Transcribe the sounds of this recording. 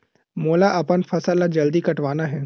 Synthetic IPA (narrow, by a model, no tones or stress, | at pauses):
moːlaʔɐpənfʰɐsəlːad͡ʒɐld̪ikɐʈʋaːnaɦɛː